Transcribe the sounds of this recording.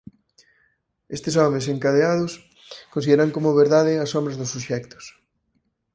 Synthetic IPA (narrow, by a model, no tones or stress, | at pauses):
est̪ɪsɔmeseŋkað̞eað̞ʊs | konsiðeɾaŋkomʊβeɾðaðɪɐsɔmbɾɐzðʊsuʃɛkt̪ʊ̥s